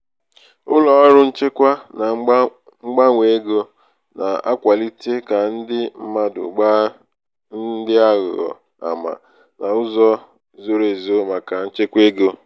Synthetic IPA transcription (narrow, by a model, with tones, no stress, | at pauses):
ʊ˦lɔ˨ɔ˦ɾʊ˦n̩˦t͡ʃe˦kʷa˦na˨ | ŋ͡m̩˦ɡ͡ba˦ŋʷe˨˦ɡo˦ | na˨a̰˦kʷa˨li˦te˦ka˨n̩˦dɪ˦m̩˦ma˦dʊ̰˨ɡ͡ba˦ | n̩˦dɪ˦a˦ɣʊ̰˨ɣɔ̰˨ | a̰˨ma̰˨ | na˨ʊ˦zɔ˦ | zo˦˨ɾe˨zo˦ma˨ka˨n̩˦t͡ʃe˦kʷe˦ɡo˦